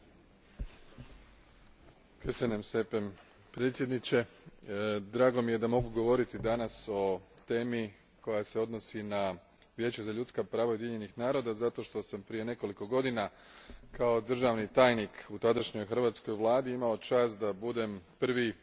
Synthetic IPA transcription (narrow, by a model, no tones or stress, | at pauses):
kesenemst̪e̞pem | pɾe̞t̪sje̞d̪nit͡ɕe̞ | d̪ɾaːɡo̞mije̞d̪amo̞ɡuɡo̞ʋo̞ɾit̪id̪anaso̞t̪e̞ːmi | ko̞jase̞o̞d̪no̞sina | ʋje̞ːt͡ɕuzaʎut̪skapɾaːʋaod̪jeʎe̞nixnaːɾo̞ːd̪azat̪o̞ʃt̪o̞sampɾije̞ne̞ko̞liko̞ɡo̞d̪ina | kao̞d̪r̩ʒaʋnit̪aːjnikut̪ad̪aʃɲo̞jxrʋat̪sko̞jʋlˠaːd̪iimao̞t͡ʃaːst̪d̪abud̪e̞mpr̩ʋi